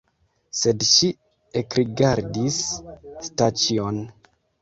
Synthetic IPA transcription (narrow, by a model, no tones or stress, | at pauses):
sedʃi | ekɾiɡaɾdisstat͡ʃion